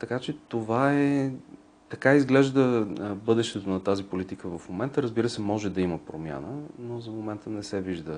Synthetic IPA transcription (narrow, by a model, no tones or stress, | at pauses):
t̪ɐkat͡ʃɛt̪ovaɛ | t̪ɐkaizɡlɛʒd̪əbɤd̪ɛʃt̪ɛt̪onɐt̪azipolit̪ikəvɐfmomɛnt̪əɾəzbiɾəsɛmɔʒɛd̪ɐiməpɾomʲja̰nənozɐmomɛnt̪ənɛsɛviʒd̪ə